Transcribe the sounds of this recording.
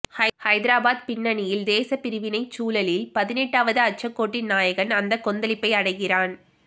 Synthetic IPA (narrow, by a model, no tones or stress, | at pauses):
hɐhɐɪðɪɾaːbaːd̪pɪnːɐnɪjɪld̪eːsɐpɪɾɯʋɪnɐɪt͡ʃuːlɐlɪlpɐðɪnɛʈːaːʋɐðɯɐt͡ʃɐkːoːʈːɪnːaːjɐɣɐnɐnd̪ɐkːɔnd̪ɐlɪpːɐɪɐɽɐɪɣɪraːn